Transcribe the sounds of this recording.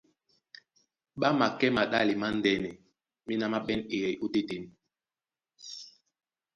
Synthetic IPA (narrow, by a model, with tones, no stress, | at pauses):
ɓa˦ma˨kɛ˦ma˨ɗa˦li˨ma˦n˦dɛ˨nɛ˨ | mi˦na˦ma˦ɓɛ˦ne˨ɛ˨ju˦te˦te˨m